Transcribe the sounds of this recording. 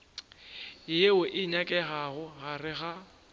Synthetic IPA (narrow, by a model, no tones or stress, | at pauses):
jeʊʔɪɲakʼɛɣaɣʊɣarɪɣa